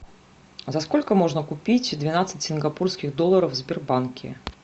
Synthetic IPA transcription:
zɐsko̞lʲkəmo̞ʐnəkʊpʲitʲd̪vʲɪnat̪sɨtʲsʲɪnɡɐpurskʲɪɣd̪olˠːəɾəfzʲbʲɪrbankʲɪ̰

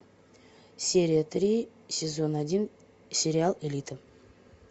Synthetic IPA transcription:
sʲeɾʲijat̪ri | sʲezonad̪ʲin | sʲe̞ɾʲialˠelʲit̪ə

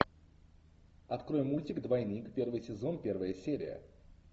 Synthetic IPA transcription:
ɐt̪kɾojɪmːulʲtʲɪkd̪vɐjnʲijkpʲe̞rvɨjsʲɪzo̞npʲe̞rvəjəsʲeɾʲɪ̰jə̰

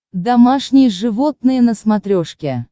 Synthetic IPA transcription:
d̪amɑʂnʲijəʐɨvot̪nɨjənəsmat̪ɾʲoʂkʲe

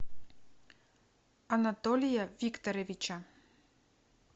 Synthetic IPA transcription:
anat̪olʲijavʲikt̪oɾevʲit͡ʃa

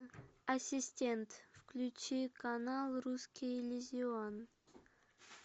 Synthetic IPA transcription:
ɐsʲɪsʲtʲent̪fklʲʉt͡ɕikɐnalˠɾuskʲilʲɪzʲɪon

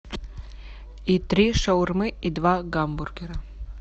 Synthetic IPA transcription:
it̪ɾiʃowrmɨid̪vaɡamburɡʲeɾa

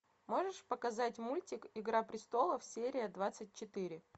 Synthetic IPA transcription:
mo̞ʐɨʂpəkɐzatʲmulʲtʲɪkɪɡɾapɾʲɪst̪o̞lˠəfsʲeɾʲɪjəd̪vat̪sɨt̚ʲt͡ɕɪt̪ɨɾʲɪ

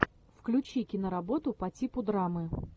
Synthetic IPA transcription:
fklʲʉt͡ɕikʲɪnəɾɐbo̞t̪ʊpɐtʲipʊd̪ɾamɨ

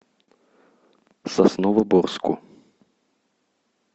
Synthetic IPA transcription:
sasnɔvɐbɔrskṵ

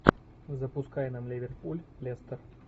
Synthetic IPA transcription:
zəpʊskajɛnamlʲɪvʲɪrʲt̪̚pulʲlʲest̪ər

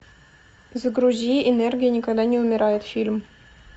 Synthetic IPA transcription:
zəɡɾuzʲiʔenerɡʲɪjənʲɪkaɡd̪anʲɪumʲɪɾajɪt̪fʲilʲm

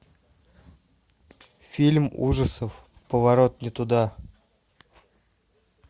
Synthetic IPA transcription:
fʲilʲmṵʐəsəf | pəvaɾo̞t̪nʲɪt̪ud̪a

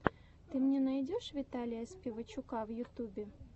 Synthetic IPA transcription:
t̪ɨmnʲenɑjdʲoʂvʲit̪alʲɪjɐspʲɪvət͡ɕːukɑvjut̪ʲubʲe

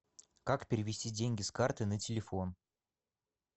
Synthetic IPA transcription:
kakpʲɪɾʲɪvʲɪsʲtʲidʲenʲɡʲɪskart̪ɨnətʲɪlʲɪfon

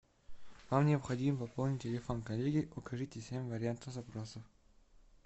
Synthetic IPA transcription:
vamnʲɪɐpxɐdʲimvɐpolˠnʲɪtʲːɪlʲɪfonkɐlʲeɡʲɪʔʊkɐʐɨtʲɪsʲemʲvəɾʲɪant̪əfzɐpɾosəf

